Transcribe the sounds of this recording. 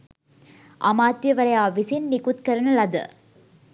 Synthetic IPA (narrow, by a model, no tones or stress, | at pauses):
ʔɐ̰maːt̪jɐʋɐɾɐjaːʋisinnikut̪kɐɾɐnɐlɐd̪ɐ̰